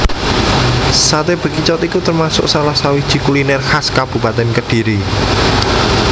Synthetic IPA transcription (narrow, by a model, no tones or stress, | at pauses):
sat̪eb̥ə̤kit͡ʃɔt̪ikut̪ərmasʊ̰ʔsalahsawi̥ʒ̥i̤kulinɛrhaskab̥ṳpat̪ɛnkəd̥i̤ɾi